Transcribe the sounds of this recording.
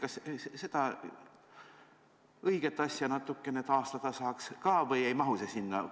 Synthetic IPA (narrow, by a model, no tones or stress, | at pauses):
kɑsse̞d̪̥ɑ | ɤjɡ̥e̞t̪ːˑɑsʲjɑnɑt̪ːˑukːˑe̞net̪ɑːst̪ɑd̪̥ɑsɑːkskɑːvɤjejmɑɦusesinːɑ̰